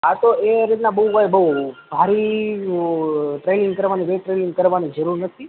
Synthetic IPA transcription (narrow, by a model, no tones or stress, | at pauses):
ɦat̪oeɾit̪nabəukajbəubʱaɾi | ʈɾenĩŋɡkəɾʋanibeʈɾenĩŋɡ̚kəɾʋanid͡ʒəɾuɾnət̪ʰi